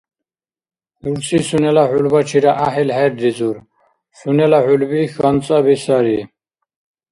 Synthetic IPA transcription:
uɾsʰisunɛlaħulbat͡ʃʰiɾaʔaɦɛlɦɛɾd̪izuɾ | sunɛlaħulbixant͡sʼabisaɾi

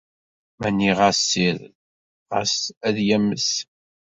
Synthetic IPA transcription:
mænːiʁasːiɾ | ʁə̰sæðjæmːəs

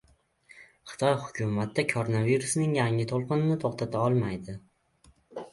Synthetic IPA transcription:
χɨ̥t̪ʰɒjhʊkʰʲʊmat̪ːakʰoɾonaviɾusnɪŋjaŋɪt̪ʰolˠqʰɨnɪnɪt̪ʰoχt̪ʰat̪ʰaɒlˠmajd̪ɪ

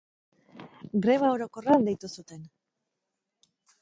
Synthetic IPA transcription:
ɡɾe̞βao̞ɾo̞ko̞rand̪e̞jt̪usut̪e̞n

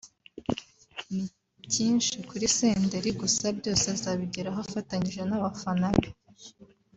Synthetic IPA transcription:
ni | ciːnʃikuɾise̞ːnde̞ɾiɡusabjo̞ːsezaβiɟiɾaɦafataɲiʒe̞naβafanaβi

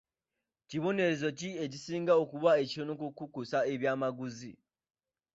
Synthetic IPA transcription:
ciβo̞ne̞ɾe̞zo̞cie̞cisiːŋɡao̞kuβae̞ciɾonokukukusae̞βjaːmaɡuzi

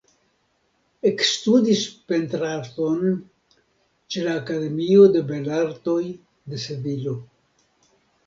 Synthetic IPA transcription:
e̞kstud̪ispe̞nt̪ɾato̞n | t͡ʃe̞laːkade̞miod̪e̞be̞laɾto̞j | d̪e̞sedilo̞

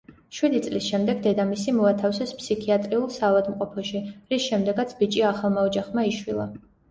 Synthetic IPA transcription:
ʃwid̪it̪sʼlisʃɛmd̪ɛɡd̪ɛd̪amisimɔat̪ʰafsɛspsikʰiat̪ʼɾiulˠsaːvad̪mqʼɔpʰɔʃiɾisʃɛmd̪ɛɡat̪sʰbit͡ʃʼiaχalˠmaɔd͡ʒaχmaiʃwilˠa̰

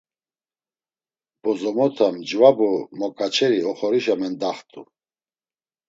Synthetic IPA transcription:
b̥ɔzɔmɔt̪ʰamd͡ʒvabumɔkʼat͡ʃʰɛɾiɔχɔɾiʃamɛnd̪aχt̪ʼṵ

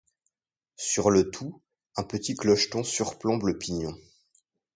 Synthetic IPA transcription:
syʁlət̪ʰu | ɛ̃pət̪iklɔʃt̪ɔ̃syʁplɔ̃bləpiɲɔ̃

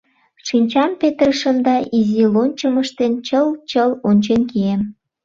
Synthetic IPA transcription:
ʃinʲt͡ɕɑmpet̪rəʃəmd̪ɑʔizilonʲt͡ɕəməʃt̪ent͡ɕəlt͡ɕəlonʲt͡ɕenkiem

